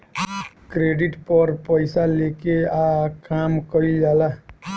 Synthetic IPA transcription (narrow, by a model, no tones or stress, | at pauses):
kɾeɖiʈpəɾpəɪsalekeakamkəid͡ʒaːla